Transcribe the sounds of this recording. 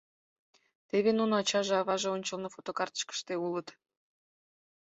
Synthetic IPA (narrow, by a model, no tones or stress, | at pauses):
t̪eβenunɑt͡ɕɑʒeɑβɑʒeonʲt͡ɕəlnofot̪okɑrt̪ə̥ʃkə̥ʃt̪eulət̪